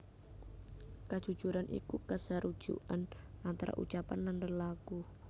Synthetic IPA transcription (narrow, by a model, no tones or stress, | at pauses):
kad̥ʒ̥ṳ̥ʒ̥uɾanʔḭkukəsaɾud̥ʒ̥ṵʔanant̪aɾa̰ʔṵt͡ʃapanːandənlaku